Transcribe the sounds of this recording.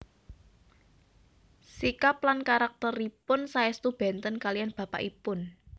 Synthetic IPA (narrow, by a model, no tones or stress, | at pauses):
sikaplankaɾak̚t̪ɔripʊnsaɛst̪ub̥ɛ̤nt̪ənkalijanb̥ä̤pa̰ʔipʊn